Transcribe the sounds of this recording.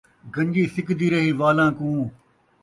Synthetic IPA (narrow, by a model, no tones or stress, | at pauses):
ɡə̃ɲd͡ʒiːsɪkd̪iːɾəɦiːʋaːlãːkũː